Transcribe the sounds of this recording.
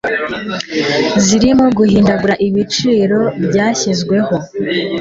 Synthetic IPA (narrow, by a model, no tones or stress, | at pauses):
ziɾimo̞ɡuhiːndaɡuɾaʔiβit͡ʃiːɾo̞bɟaːçizɡwe̞ho̞